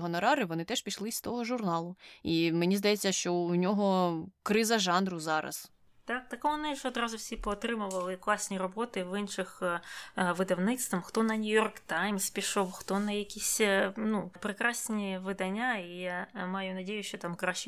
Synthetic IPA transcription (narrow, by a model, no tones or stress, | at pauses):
ɦɔnɔɾɑɾɪʋɔnɪt̪ɛʃpʲiʃlˠɪst̪ɔɦɔʒʊrnɑlˠʊimenʲizd̪ɐjɛt͡sʲːɐʃt͡ʃɔunʲɔɦɔkɾɪzɐʒɑnrʊzɑɾɐ̰s | t̪ɑk̚t̪ɐkɔɔnɪʒɛɔd̪ɾɑzʊwsʲipɔːt̪ɾɪmʊʋɐlˠɪklˠɑsʲnʲiɾɔbɔt̪ɪʋɪnʃɪx | ʋɪd̪ɐwnɪt̪st̪ʋɐmxt̪ɔnɐnʲʊjɔrkt̪ajmspʲiʃɔwxt̪ɔnɐjɐkʲisʲnupɾɪkɾɑsʲnʲiʋɪd̪ɐnʲːaijamɑjʊnɐdʲejʊʃt͡ʃɔt̪ɑmkɾaʃt͡ʃɪ